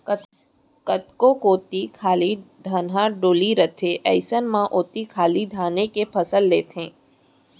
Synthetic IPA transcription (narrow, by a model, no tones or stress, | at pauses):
kət̪kõkoːt̪ikʰaːliɖʱanɦãɖoːliɾət̪ʰeʔɛɪsənmãʔoːt̪ikʰaːliɖʱaːnekepʰɐsəlːeːt̪ẽː